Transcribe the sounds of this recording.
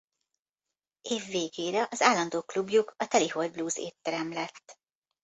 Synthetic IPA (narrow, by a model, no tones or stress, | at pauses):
eːvːeːɡeːɾɛʔɒzaːlːɒnd̪oːklubjukɒt̪ɛlihol̚bluːzḛːt̪ːɛɾɛmlɛt̪ː